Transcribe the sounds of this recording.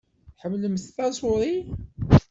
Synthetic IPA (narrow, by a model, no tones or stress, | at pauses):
ħəmːləməsθæsˤʊɾˤi